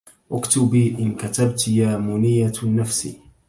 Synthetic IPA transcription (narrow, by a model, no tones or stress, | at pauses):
ʔʊkt̪ʊbiːʔɪnkat̪abt̪jaːmʊnɪjːanːafsḭː